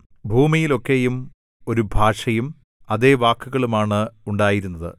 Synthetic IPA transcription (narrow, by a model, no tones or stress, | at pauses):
bʱuːmijilo̞kːe̞jum | o̞ɾubʱaːʂɐjum | ɐðe̞ːʋaːkːuɣɐɭumaːɳɨuɳɖaːjiɾunːɐðɨ̰